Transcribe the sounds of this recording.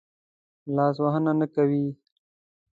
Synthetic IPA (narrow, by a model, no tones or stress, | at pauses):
lɑːs̬waɦənanakawi